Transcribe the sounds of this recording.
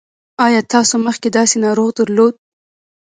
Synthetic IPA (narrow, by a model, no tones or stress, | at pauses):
ɑjɑt̪ɑsoməxked̪ɑsenɑɾoɣd̪əɾlod̪̚